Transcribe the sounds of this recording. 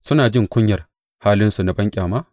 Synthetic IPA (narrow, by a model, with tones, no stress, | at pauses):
sʊ˦naː˨d͡ʒɪ˦ŋkʷʊ˦ɲjɐ˨r | haː˦lɪ˦nsu˨na˦bɐ˦ŋkʲʼaː˨maː˦